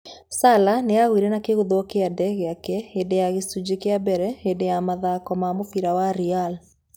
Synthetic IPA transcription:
salaneaɣwiɾɛnakeɣuðwɔkeadɛɣeakɛedejaɣesud͡ʑekeabɛɾɛedejamaðakɔmamofiɾawaɾial

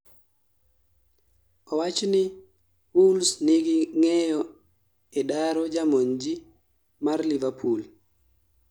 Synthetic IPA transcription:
ʔɔwat͡ʃni | wulsniɡiŋɛjɔ | ɛɗaɾɔd͡ʒamoɲd͡ʒi | maɾlivapʰul

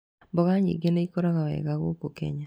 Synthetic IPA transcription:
bɔɣaɲḭɡeneikoɾaɣawɛ̰ɣaɣo̰kokḛɲa

